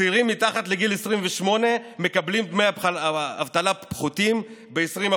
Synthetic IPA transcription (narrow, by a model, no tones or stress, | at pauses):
iʁimːit̪aχat̪le̞ɡilesʁimveʃmo̞ne̞me̞kablimbmea̰vt̪alapχut̪imbeesʁima